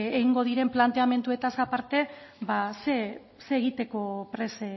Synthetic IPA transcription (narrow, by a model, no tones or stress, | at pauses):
eɣiŋɡo̞ð̞iɾe̞mplant̪eame̞nt̪ue̞t̪asapaɾt̪e̞base | se̞ːɣit̪e̞ko̞pɾe̞se